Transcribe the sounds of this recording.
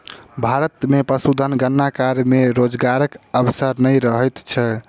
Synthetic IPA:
bʱaɾət̪mepəsud̪ʱənɡənːakaɾmeɾod͡ʒɡaɾəkəbsəɾnəjɾəɦɛjt̪t͡ʃʰɛ

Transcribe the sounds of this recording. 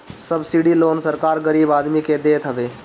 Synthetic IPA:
səbsiɖiloːnsəɾkaːɾɡəɾiːbaːd̪miked̪eːt̪ɦəʋeː

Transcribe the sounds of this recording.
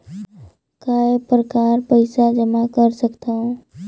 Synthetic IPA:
kaːepɾəkaːɾpəɪsad͡ʒəmakəɾsəkt̪aɦõː

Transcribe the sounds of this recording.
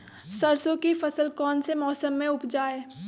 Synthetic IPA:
sɐɾsõkifɐsəlkɔːnsemɔːsəmːẽʊpd͡ʒaːeː

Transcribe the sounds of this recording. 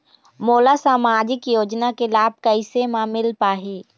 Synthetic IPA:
moːlasaːmaːd͡ʒɪkjoːd͡ʒnakelaːb̚kəɪsemãmɪlpaːɦiː

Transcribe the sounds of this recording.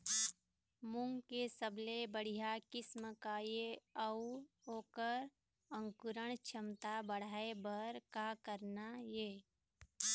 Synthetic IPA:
mʊ̃ŋɡkesəblebəɽ̤ijakɪsməkajeəuoːkəɾ | ə̃ŋkʊɾəɳ̃t͡ʃʰəmt̪abəɽ̤aːebəɾkakəɾnajeː

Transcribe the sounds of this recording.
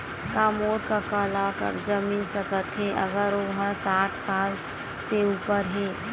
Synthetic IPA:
kaːmoːɾkakalakə̰ɾd͡ʒəmiːnsəkət̪ɦeʔə̰ɡəɾɦə̃saːʈʰsaːl | seuːpəɾɦeː

